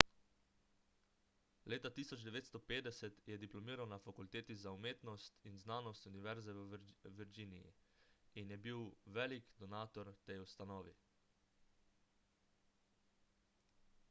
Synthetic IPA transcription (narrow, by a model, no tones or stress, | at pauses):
leːt̪at̪iːsɔd͡ʒd̪ɛʋeːt̪st̪ɔpeːd̪ɛsɛt̪jɛd̪iplɔmiːɾawnafakult̪eːt̪izaumeːt̪nɔst̪inznaːnɔst̪uniʋɛɾzɛʋʋɛɾd͡ʒiːnijḭinjɛbiwʋɛːlikd̪ɔnaːt̪ɔɾt̪ɛjust̪anɔːʋi